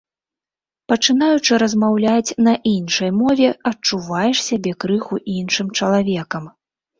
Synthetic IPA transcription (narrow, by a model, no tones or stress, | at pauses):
pɐt͡ʂɨnajut͡ʂɨɾɐzmawlʲat͡sʲnɐʔinʂɐjmɔvʲɛɐt͡ʂuvajɛʂsʲabʲɛkɾɨxuʔinʂɨmt͡ʂɐlˠavʲɛkɐm